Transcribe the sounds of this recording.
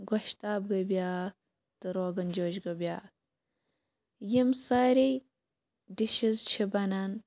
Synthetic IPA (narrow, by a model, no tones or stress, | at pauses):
ɡɐʃt̪aːb̚ɡɐbjaːk̚ | t̪ɨɾoːɡɐnd͡ʒoːʒɡɐbʲjaːk̚ | jimsaɾij | diʃizt͡ʃʰibɐnɐn